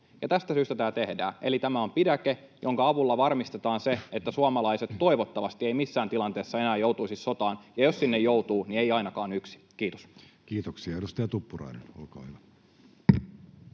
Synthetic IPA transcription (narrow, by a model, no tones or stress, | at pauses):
jɑt̪æst̪æsyːst̪æt̪æːt̪e̞hdæ̰ːnʔe̞̰lit̪æmæo̞mpidækejʔoŋkɑɑʋulːɑʋɑrmist̪et̪ɑːnse̞et̪ːæsuɑmɑlɑise̞t̪t̪o̞iʋot̪ːɑʋɑst̪ie̞jmisːæːnt̪ilɑnt̪eːsːɑe̞næːjowt̪uisisso̞t̪ɑːnjɑjo̞sːinːejjo̞ut̪uːniejɑjnɑkɑːnyksi̥kiːt̪o̥s | kiːt̪oksiɑedust̪ɑjɑt̪upːurɑ̰ineno̰lko̰ːhyʋæ